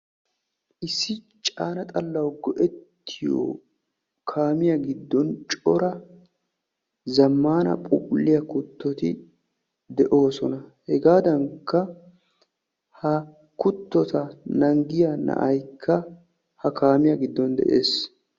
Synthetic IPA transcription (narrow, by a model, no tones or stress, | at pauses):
ʔɪsːɪ | t͡ʃʼaːnɐt̪ʼɐlːɐwɡɔʔɛt̪ʰːɪjo̰ | kʰaːmɪjɐɡɪd̪ːɔnt͡ʃʼɔɾɐ | zɐmːaːnɐ̰pʼʊpʼʊlːɪjɐkʊt̪ːɔt̪ɪ | d̪ɛʔo̞ːsɔnɐhɛɡaːd̪ɐŋkʰːɐ | hɐ | kʊt̪ːɔt̪ɐnɐŋɡɪjɐnɐ̰ʔɐjkʰːɐ | hɐkʰaːmɪjɐɡɪd̪ːɔnd̪ɛ̰ʔḛːs